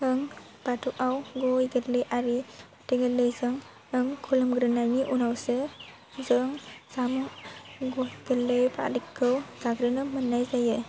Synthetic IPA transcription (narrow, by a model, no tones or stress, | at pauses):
ɯŋ | batʰukawɡɔjɡəlɯjʔaɾipatiɡalɯjzɯŋ | ɯŋkʰulɯmɡɾɯnajniʔunawsɯ | zɯŋsamuŋɡojɡ̥əlɯjpʰa̰likʰːɯwzaɡɾinɯmɯnːajzajɯ